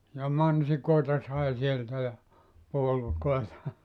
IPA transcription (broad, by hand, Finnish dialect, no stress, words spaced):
jɑ mɑnsikoˑetɑ sɑi sieltæ jɑ puolukoetɑ